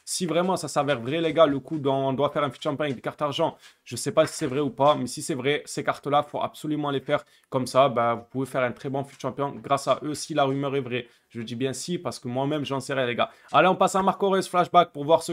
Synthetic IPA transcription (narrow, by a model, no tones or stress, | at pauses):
sivʁɛmɑ̃sasavɛʁvʁɛleɡaləkud̪ɔ̃ɔ̃d̪wafɛʁɛ̃fyt̪ʃɑ̃pjɔ̃ɛk̚d̪ekaʁt̪aʁʒɑ̃ | ʒ̥əsɛpasi̥sɛvʁɛupamɛsisɛvʁɛsekaʁt̪lafoʔa̰bsɔlymɑ̃lefɛʁ | kɔmsabavupuvefɛʁɛ̃t̪χɛbɔ̃fyt̪ʃɑ̃pjɔ̃ɡʁasaʔøsilaʁymœʁɛvʁɛ | ʒ̥əəd̪ibjɛ̃sipaʁsə̥kəmwamɛmʒɑ̃sɛʁɛleɡa | aleɔ̃pasɛ̃maʁkɔʁɛzflaʃbak̚puʁvwaʁsə